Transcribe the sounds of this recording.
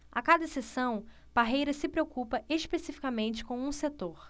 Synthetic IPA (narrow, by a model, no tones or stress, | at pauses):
a̰kad̪ɐsesɐ̃w̃ | b̥aɦejɾɐsɪpɾeokupɐeʃpesifi̥kamẽnt͡ʃɪ̥kõw̃ũset̪oɾ